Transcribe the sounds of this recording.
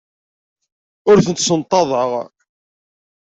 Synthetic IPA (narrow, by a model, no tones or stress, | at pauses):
ʊɾθənt̪sənt̪ˤːɑðˤəʁ